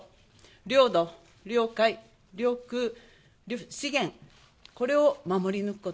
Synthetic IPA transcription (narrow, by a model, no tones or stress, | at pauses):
ɾʲo̞ːd̪o | ɾʲo̞ːkai | ɾʲo̞ːkɯ̟ | ɾʲɕiɡẽ̞ŋ | ko̞ɾe̞omamo̞ɾʲinɯ̟kɯ̟ko̞